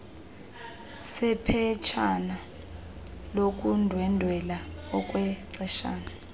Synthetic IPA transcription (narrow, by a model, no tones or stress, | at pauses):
sɛpʰɛt͡ʃʰana | lok̬ʼundʱwɛndʱwɛlaɔk̬ʼwɛǀɛʃa̰ːna